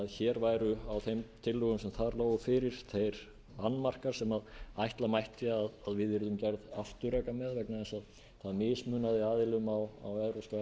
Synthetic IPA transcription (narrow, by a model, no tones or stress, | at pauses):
aðçɛːɾvajɾʏawθejmt̪ʰɪlːʏɣʏmsɛmθaɾloːwɣʏfɪːɾɪɾ̥θejɾ | anːmar̥kaɾ̥sɛmaðajht̪lamajht̪ɪaðaðvɪðɪɾðʏmcɛɾðaft̪ʏɾɛːkamɛðvɛknaðɛnsað | θaðmɪːsmʏːnaðɪaːðɪlʏmawa̰wɛðɾoska